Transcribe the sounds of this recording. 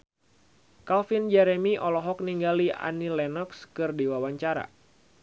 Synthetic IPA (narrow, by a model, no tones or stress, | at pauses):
kalfind͡ʒɛɾɛmiʔɔlɔɦɔk̚niŋɡalia̰nilɛnɔkskɨrdiwawaɲt͡ʃaɾa̰